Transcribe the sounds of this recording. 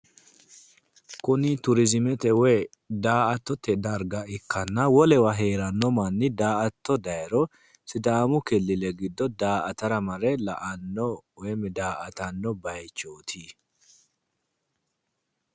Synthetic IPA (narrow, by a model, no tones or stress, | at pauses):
kʊnɪt̪ʊɾɪzɪmɛt̪ɛwɛ | d̪aːʔɐt̪ːɔt̪ːɛd̪ɐɾɡɐɪkːɐnːɐwɔlɛwɐɦe̞ːɾɐnːɔmɐnːɪd̪aːʔɐt̪ːɔd̪ɐjɾɔ | sɪd̪aːmʊkɛlːɪlɛɡɪd̪ːɔd̪aːʔɐt̪ɐɾɐmɐɾɛlɐ̰ʔɐnːɔwɛmɪd̪aːʔɐt̪ɐnːɔbɐjt͡ʃːoːt̪ʰi